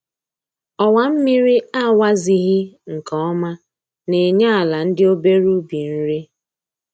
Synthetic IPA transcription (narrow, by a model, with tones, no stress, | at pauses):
ɔ˨wa˨m̩˦mi˦ɾi˦a˦˨wa˦zi˨ɣi˦ŋ̩˨kɔ˦ɔ˦ma˦ | ne˨ɲa˦a˨la˨n̩˦dɪ˦o˦be˦ɾu˦bi˨n̩˦ɾi˦